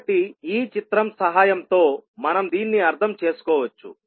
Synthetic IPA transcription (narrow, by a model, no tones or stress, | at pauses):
ʈ̪iiːt͡ʃit̪ɾɐmsɐɦaːjɐmt̪o̞ːmɐnɐmd̪iːnːiɐɾt̪ʰɐmt͡ʃe̞ːsu̥kɔːʋɐt͡ʃːṵ